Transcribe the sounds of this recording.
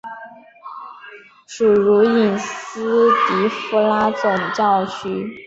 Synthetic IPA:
ʂu˨˩ɻu˧˥i˨˩nsɹ̩˥t̪i˧˥fu˥˧la˥t͡sʊ˨˩ŋt͡ɕɑ˥˧ʊt͡ɕʰy˥˩

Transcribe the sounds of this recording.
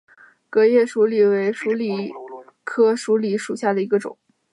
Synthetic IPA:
kɤ˧˥jɛ˥˩ʂu˧˥li˨˩we˧˥ɪʂu˧˥li˨˩ | kʰɤ˥ʂu˧˥li˨˥ʂu˨˩ɕja˥˩d̪ə˩i˧˥ɡə˧ʈ͡ʂʊ̰˨˩˦ŋ

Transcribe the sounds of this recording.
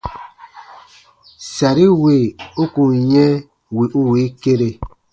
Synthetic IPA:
sa˨ɾi˦we˨u˦ku˨ɲɛ˦ | wi˨ʔu˦wi˨˦ke˦ɾe˨

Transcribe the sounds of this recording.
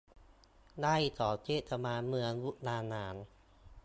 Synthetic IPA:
daː˥˩˨jt̪ɔː˨˩˦t͡ɕeː˥˩a˧maː˧nmɯ˧əŋwu˦˥t̪̚naː˧nːaː˩˦n

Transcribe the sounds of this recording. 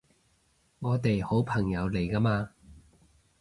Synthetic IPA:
ŋɔː˨˧t̪e˨jho˨˥wpʰɐ˨˩ŋjɐ˨˧wle˨˩jkaː˧maː˧

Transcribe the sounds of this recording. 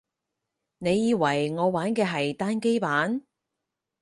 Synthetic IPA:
ne˨˧jːiː˨˧wɐ˨˩jŋɔː˨˧waː˨˥nkɛː˧ɦɐ˨jt̪aː˥nke˥jpaː˨˥n

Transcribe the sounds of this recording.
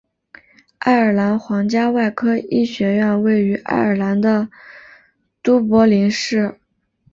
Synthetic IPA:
a̰˥˩ɪə˞˨˩la˧˥nxwɑ˧˥ŋt͡ɕja˥wa˥˩ɪkʰɤ˥i˥˩ɕɥɛ˧˥ɥɛ˥˧nwe˥˩ɪy˧˥ʔa̰˥˩ɪə˞˨˩la˧˥nd̪ə˧ | t̪u˥pwɔ˧˥li˧˥ŋʂɻ̩˥˩

